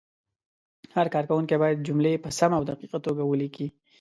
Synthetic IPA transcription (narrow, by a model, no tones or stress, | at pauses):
haɾkɑɾkawʊŋkebɑjad̪̚d͡ʒʊmlepəsamawd̪aqiqat̪oɡawəliki